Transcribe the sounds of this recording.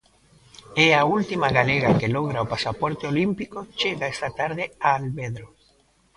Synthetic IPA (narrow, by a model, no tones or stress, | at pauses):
eault̪imaɣaleɣakeloɣɾaopasapoɾt̪eolimpikot͡ʃeɣaest̪at̪aɾðeaːlβeðɾo